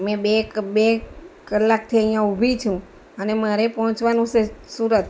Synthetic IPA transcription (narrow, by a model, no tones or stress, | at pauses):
mɛ̃bebekəlːak̚t̪ʰiəɦĩjãubʱit͡ʃʰũ | ənemaɾepɔɦɔ̃t͡ʃʋanũsesuɾət̪